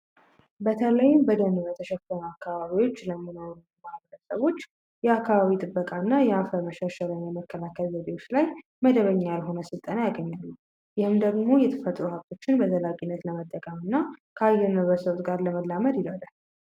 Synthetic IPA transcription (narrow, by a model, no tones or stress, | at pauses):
bət̪ʰələjmbəd̪ənβət̪ʰəʃɛfənuakːaβaβiwo̞t͡ʃːləmɨnonumaβɾəsəβo̞t͡ʃː | jɛakːaβaβit̪ʼɨbːəkʼanːajɛafəməʃaʃalənjɛməkːəlakʰːəlzəd̪eo̞t͡ʃːlaj | məd̪əβəɲːalɦo̞nəsɨlt̪ʼənajaɡəɲːalːu | jɪhɨmd̪əɡmo̞jɛt̪ʰə̥fət̪ʼɾuhab̚t̪ʰo̞t͡ʃːɪnbət̪ʰəlakʼinːət̪ləmət̪ʼːəkʼəmɨnːakʰəajːɛɾnəβɾəsəβt̪ɡaɾləməlːaməd̪jɪləd̪al